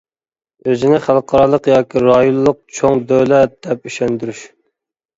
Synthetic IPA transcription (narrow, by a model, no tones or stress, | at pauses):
øzɪnɪχælˠqʰɑɾɑlˠəqjɑːkʲʰiɾɑjonlˠʊq̚t͡ʃʰoŋd̪øwlɛt̪̚d̪̥ɛp̚yʃɛnd̪yɾyʃ